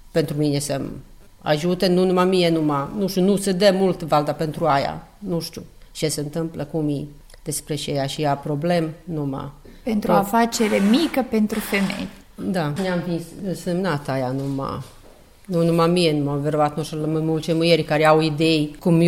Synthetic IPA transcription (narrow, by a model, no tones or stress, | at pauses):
pent̪ɾuminesəm | a̰ʒut̪enunumamijenumanuʃt̪junused̪emult̪vald̪apent̪ɾuaja̰ | nuʃt̪ʲjut͡ʃeseɨnt̪ɨmpləkumji | d̪espɾet͡ʃejaʃijapɾo̞ble̞mnuma̰ | pent̪ɾuafat͡ʃeɾemikəpe̞nt̪ɾufemḛj | d̪aneamfisɨnsemnat̪ajanuma̰ | nunumamijenumamveɾoat̪nusəlmɨmult͡ʃemɨjerʲkaɾeawid̪ejkum